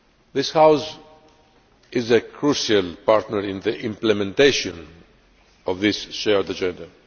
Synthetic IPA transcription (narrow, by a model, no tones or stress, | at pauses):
ðɪshaws | ɪzəkʰɹuʃalpaɾt̪nəɾɪ̃nðəʔɪ̃mplɛmɛ̃nt̪eʃɔ̃n | ɔvðɪsʃɛɹd̪ad͡ʒɛ̃nd̪a